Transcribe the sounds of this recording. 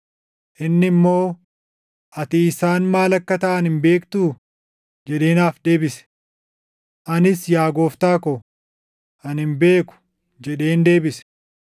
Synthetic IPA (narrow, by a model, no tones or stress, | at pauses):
ʔɪnːɪmːo̞ː | ʔɐt̪ɪːsaːnmaːlɐkːɐt̪ɐʔɐnɪmbe̞ːkt̪uː | d͡ʒɛᶑe̞ːnaːfd̪e̞ːbɪsɛ̥ | ʔɐnɪsjaːɡo̞ːft̪aːkɔ | ʔɐnhɪmbe̞ːkʊ̥ | d͡ʒɛᶑe̞ːnd̪e̞ːbɪsɛ̥